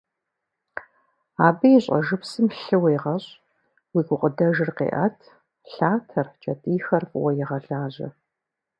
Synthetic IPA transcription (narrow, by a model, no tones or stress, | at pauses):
aːbɐjɪɕʼɐ̰ʒɨpsɨmɬɨwɐjʁɐɕʼ | wiːɡʷʊqʷʼʊdɐʒɪrqḛːʔɐtʰ | ɬaːtʰɐrt͡ʃʼɐtʼiːxɐrfʼwɐjɪʁɐɬaːʑɐ̰